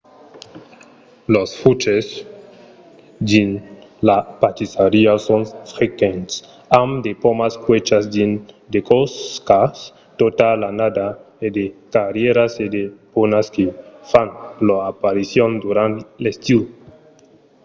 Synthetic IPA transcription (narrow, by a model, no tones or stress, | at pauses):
losfut͡ʃes | d̪inlapat͡ʃ̪isaɾiasonfɾekens | amd̪epomaskwet͡ʃazd̪in | d̪ekoskas | t̪ot̪alanad̪a | ed̪ekaɾjeɾased̪eponaskefanloapaɾisjond̪uɾant̪lest̪i